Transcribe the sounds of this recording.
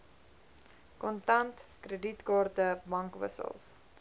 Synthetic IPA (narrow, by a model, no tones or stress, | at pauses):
kɔntɐntkrəditkɑːrtəbɐŋkvə̰sə̰lˠs